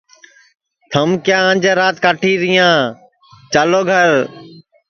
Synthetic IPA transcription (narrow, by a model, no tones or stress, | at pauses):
t̪ʰəmkjãːə̃ːnd͡ʒaːɾaːt̪kaːʈʰiːɾɪjãː | t͡ʃaːloːɡʱəɾ